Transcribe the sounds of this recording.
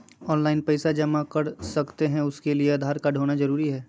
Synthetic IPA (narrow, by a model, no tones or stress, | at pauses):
ɔːnlaːɪnpɐɪsad͡ʒɐmakɐɾsɐkt̪eɦɛ̃ʊskelieɐd̪ʱaːɾkaɖʱoːnazɐɾuːɾiɦɛː